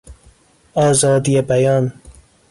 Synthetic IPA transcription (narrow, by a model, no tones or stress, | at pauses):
ɒːzɒːd̪ijebæjɒn